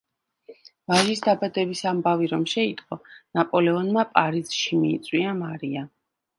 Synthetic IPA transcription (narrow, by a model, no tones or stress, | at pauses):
vaʒisd̪abad̪ɛbisambaviɾɔmʃɛit̪ʼqʼɔnapʼɔlɛɔnmapʼaɾiz̥ʃimiːt̪sʼwiamaɾia